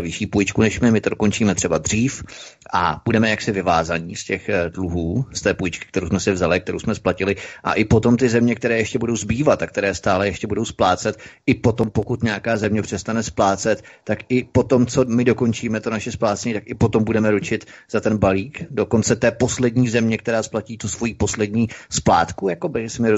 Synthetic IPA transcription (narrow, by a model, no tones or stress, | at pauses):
vɪʃiːpujɪt͡ʃkunɛʃmɪmɪt̪odoko̞nt͡ʃiːmɛt̪r̝̥ɛbad̪r̝̥iːfʔa̰b̥udɛmɛjaksɪvɪva̰ːzaɲiːscɛxdluɦuːst̪ɛːpujɪt͡ʃkɪ̥kt̪ɛɾowsmɛsɪvzalɪkt̪ɛɾowsmɛsplacɪlɪʔa̰ʔɪpo̞t̪o̞mt̪ɪzɛmɲɛk̚t̪ɛɾɛːjɛʃcɛbudo̞wzbiːvat̪akt̪ɛɾɛːst̪aːlɛjɛʃcɛbudo̞wsplaːt͡sɛʔɪpo̞t̪o̞mpokut̪ɲaakaːzɛmɲɛpr̝̥ɛst̪anɛsplaːt͡sɛt̪ːakʔɪpo̞t̪o̞mt͡so̞mɪdo̞ko̞nt͡ʃiːmɛt̪onaʃɛsplaːt͡sɛɲit̪akɪpo̞t̪o̞mbudɛmɛɾut͡ʃɪt̪z̥at̪ɛnbaliːkdo̞ko̞nt͡sɛt̪ɛːpo̞slɛdɲiːzɛmɲɛk̚t̪ɛɾaːsplaciːt̪usvo̞jiːpo̞slɛdɲiːspla̰ːt̪kujako̞bɪsɪmɪɾ